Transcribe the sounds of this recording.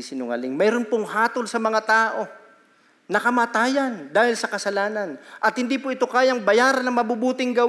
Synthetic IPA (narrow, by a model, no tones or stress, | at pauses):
sɪnʊŋɐ̰lɪŋmɛːɾo̞npoŋhaːt̪o̞lsɐmɐŋat̪aːʔo̞ | nɐkɐmaːt̪aːjɐnd̪aːhɪlsɐkɐsɐlaːnɐnʔɐt̪̚hɪnd̪iːpoʔɪt̪o̞kaːjɐŋbɐjaːɾɐnːɐŋmɐbubuːt̪ɪŋɡɐw